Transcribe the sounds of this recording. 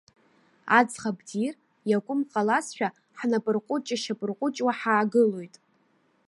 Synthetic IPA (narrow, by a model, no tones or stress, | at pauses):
a̰d͡zχabdir | jakʷʼʊmqʼalasʃᶣa | ħnapʼɨrqʷʼʊt͡ʃʼaʃapʼɨrqʷʼʊt͡ʃʼwaħaːɡɨlo̞jtʼ